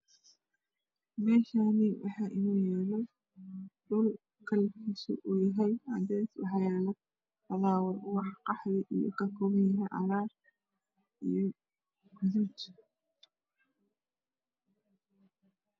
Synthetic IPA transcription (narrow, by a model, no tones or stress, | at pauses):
mɛːʃaːnɪwɑħɑːʔɪnuːjɛːlɔ | ɖʊl | kʰɐlkʰiːsʊ̰ʔuːjɐɦɛjʕɑ̰d̪ɛjswɑħɑjaːlɐd̪ | t̪ɐlaːwɐwɑħqɑħðɪʔḭjɔ̰kʰɐkʰɔːβɐnjɐɦɛjʕɑ̰laːr | ʔḭjɔ | ɡ̥ʊðubt̪ʰ